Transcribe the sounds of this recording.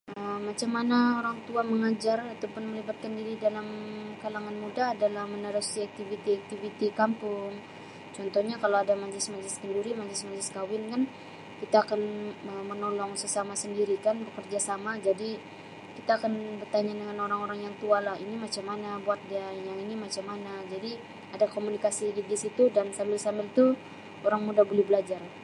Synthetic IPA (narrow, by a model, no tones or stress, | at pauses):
ʔəːat͡ʃamːanaoɾaŋt̪uaməŋad͡ʒarat̪awpʊnməlibat̪̚kəndiɾidalamkalaŋanmudaːdalahmənəɾusiak̚t̪ivit̪iak̚t̪ivit̪ikampʊŋ | t͡ʃɔnt̪ɔhɲakalaadamad͡ʒlɪsmad͡ʒlɪskənduɾimad͡ʒlɪsmad͡ʒlɪskawɪnkan | kit̪aːkanəmənolɔŋsəsamasəndiɾikanbəkərd͡ʒasamad͡ʒadi | kit̪aːkanbərt̪aɲadəŋanoɾaŋoɾaŋjaŋt̪ualahinimat͡ʃamːanabuat̪̚diajaŋinimat͡ʃamːanad͡ʒadi | adakomunikasiɡidisit̪udansambɪlsambɪlt̪u | oɾaŋmudabolɛhbəlad͡ʒar